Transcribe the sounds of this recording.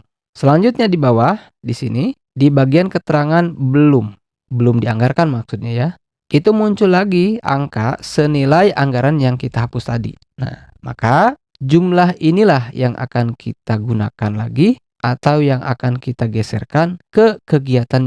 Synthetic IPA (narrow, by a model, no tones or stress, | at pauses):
səlaɲd͡ʒʊt̪̚ɲadibawah | disini | dibaɡiankət̪əɾaŋanbəlʊm | bəlʊmdiaŋɡarkanmaksʊt̪̚ɲaja | ʔit̪umuɲt͡ʃʊlːaɡia̰ŋkasənilajʔaŋɡaɾanjaŋkit̪aɦapʊst̪adḭ | na̰h | ma̰ka | d͡ʒumlaɦinilahjaŋʔa̰kankʰit̪aɡunakanlaɡi | ʔat̪awjaŋʔa̰kankit̪aɡɛsɛ̰rkankəkəɡiat̪an